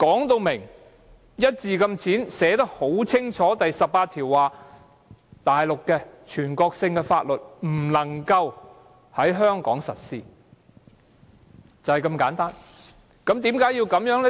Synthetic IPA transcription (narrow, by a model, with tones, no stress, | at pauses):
kɔː˨˥ŋt̪o˧wmɪ˨˩ŋ | jɐ˥t̚t͡siː˨˧kɐ˧mt͡sʰiː˨˥nsɛː˨˧˥t̪̬ɐ˥k̚ho˨˥wt͡sʰɪ˥ŋt͡ʃʰɔː˨˥t̪ɐ˨jsɐ˨p̚pːaː˧t̪ʰiː˨˩wːaː˨ | t̪aː˨jlʊ˨kkɛ˧t͡ʃʰyː˨˩nkɔː˧k̚sɪ˧ŋkɛ˧fa̰ː˧t̚lɵ˨t̚m̩˨˩lɐ˨˩ŋkɐ˧w | hɐ˨˥jɦœː˥ŋkɔ̰ː˨˥ŋsɐ̰˨t̚siː˥˧ | t͡sɐ˨whɐ˨jkɐ˧mkaː˨˧˥nt̪aː˥n | kɐ˨˥mt̪iː˨˥mkaː˨˥jiː˧wkɐ˨˥mjœː˨˥ŋlɛ˥